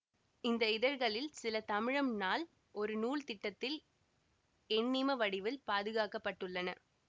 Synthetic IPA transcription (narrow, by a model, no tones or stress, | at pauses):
ɪnd̪ɐɪðɐɾɣɐɭɪlsɪlɐt̪ɐmɪɻɐmnaːl | ʔɔɾɯnuːɭt̪ɪʈːɐt̪ːɪl | ɛɳːimɐʋɐɽɪʋɪlpaːðɯɣaːkɐpːɐʈːɯɭːɐnɐ̰